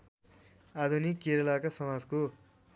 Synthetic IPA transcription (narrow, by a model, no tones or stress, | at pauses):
ad̪ʱunikːeɾʌlakasʌmad͡zko